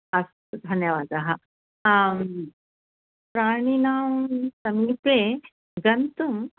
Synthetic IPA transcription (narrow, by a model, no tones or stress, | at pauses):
ɐs | d̪ʱɐnjɐʋaːd̪aɦa | pɾaːɽ̃inaːwsɐmiːpe | ɡɐnt̪um